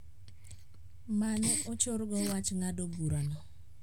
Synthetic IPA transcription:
manɛot͡ʃʊɾɡɔwat͡ʃŋadoɡuɾanɔ

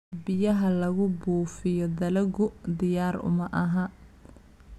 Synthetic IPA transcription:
bɪjɐɦɐlɐɣʊbuːfɪjɔd̪ɐlɐɡʊd̪ɪjaːɾʊ̰mɐʔɐɦɐ

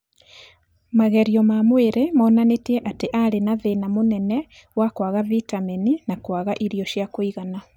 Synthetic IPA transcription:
maɣɛɾiɔmamweɾemaːnanetiɛʔateʔaɾenaðenamonɛnɛ | wakwaɣavitameninakwaɣaʔiɾiɔʃjakoiɣana

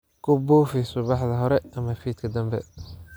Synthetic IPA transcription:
kʰʊbuːfɪsʊβɑħðɐɦɔɾɛɐmɐfiːt̪kʰɐd̪ɐmbɛ̰

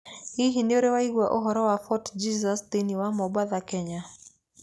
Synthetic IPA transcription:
hiɦinɪɔɾewaiɡwaʔoɦɔɾɔwafɔtd͡ʒizast̪eniwamɔbwaðakɛɲa

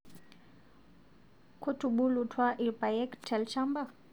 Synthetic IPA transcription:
kʰotuɓulutʰwaʔipajɛktʰːɛlʃamba

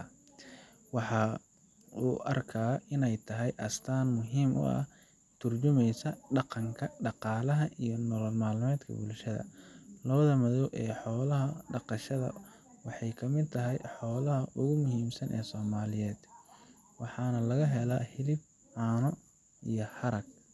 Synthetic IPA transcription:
wɑħɑ | uːʔɐrkʰɐɪnɛjt̪ʰɐɦɛjʔɐst̪ʰaːnmʊɦiːmʔʊ̰ɐ̰ | t̪ʰʊrt͡ʃʊmɛjsɐɖɑqɑŋkʰɐɖɑqɑːlɐɦɐʔijɞnɔlɔlmaːlmɛːd̪kʰɐ̰bʊlʃɐðɐ̰lɐβɐðɐmɐðɔwʔɛːħɔːlɐɦɐɖɑqɑʃɐðɐ̰ | wɑħɑjkʰɐmɪd̪̚t̪ʰɐɦɛjħɔːlɐɦɐʔʊɣʊmʊhiːmsɐnʔɛ̰ːsɔːmaːlɪjɛːd̪ | wɑħɑːnɐlɐɣɐɦɛlɐhɪlɪb̚ | ʕɑːnɔ | ijɞhɐɾɐɡ

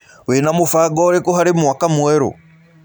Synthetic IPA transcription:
wenamʊfaɡɔɾekɔɦaɾimuwakamuwɛɾṵ

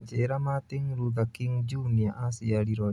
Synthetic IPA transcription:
d͡ʒeɾamat̪iŋɾuðakiŋd͡ʒuniaʔasiaɾiɾɔ

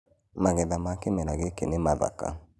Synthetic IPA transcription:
maɣɛðamakemɛnaɣekḛnemaða̰ka̰

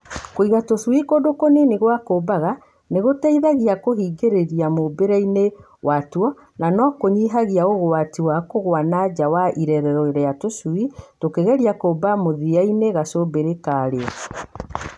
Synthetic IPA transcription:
koiɣatoswikodokonineɣwakoːbaɣa | neɣotaiðaɣiakoɦiːɡeɾeɾiamobeɾaine | watwɔ | nanɔkoɲiɦaɣiaoɣoatiwakoɣwanad͡ʒawaʔiɾɛɾɛɾɔeɾɛatoswitokeɣɛɾiakoːbamoðiaineɣasobeɾekaɾeɔ

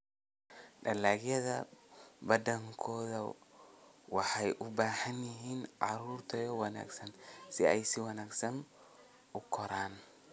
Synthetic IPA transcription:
ɖɐlaːɣjɐðɐbɐd̪ɐŋkʰɔːðɐ | wɑħɑjʔʊbaːħɐnjɪɦiːnʕɑɾuːrt̪ʰɐjɔwɑna̰ːɡsɐnsɪɛjsɪwɑnaːɡsɐn | ʊkʰɔɾaːn

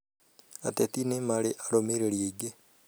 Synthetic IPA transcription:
atet̪inemaɾeʔaɾomeɾeɾjeiɡe

